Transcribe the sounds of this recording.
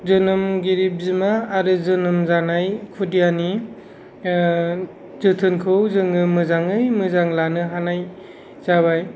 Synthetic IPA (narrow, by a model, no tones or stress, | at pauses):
zɯnɯmɡiɾip̚zɯmaːɾɯzɯnɯmzanajkʰudijani | zɯtʰɯnkʰɯwzɯŋɯmɯzaŋɯjmɯzaŋlanɯɦanaj | z̥aβaj